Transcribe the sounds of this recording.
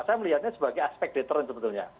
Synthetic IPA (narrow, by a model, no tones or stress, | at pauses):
sajməliɦat̪̚ɲasəbaɡajaspɛk̚d̥ɛt̪əɾnsəbət̪ʊlɲa̰